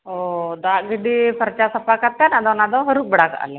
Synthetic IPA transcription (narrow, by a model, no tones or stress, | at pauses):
ɔd̪aʔɡiɖipʰəɾt͡ʃasəpakat̪̚ːanad̪ɔnad̪ɔɦəɾuk̚bəɽaka̰ʔa̰lɛ